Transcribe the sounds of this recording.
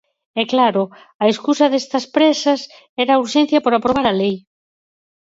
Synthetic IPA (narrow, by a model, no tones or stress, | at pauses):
ɛklaɾʊ | ɐeskusɐðest̪ɐspɾɛsɐs | ɛɾauɾʃẽn̟θjɐpoɾapɾoβaɾɐlej